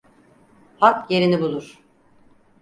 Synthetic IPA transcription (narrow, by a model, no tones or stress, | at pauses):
hakje̞ɾinibulˠuɾ̥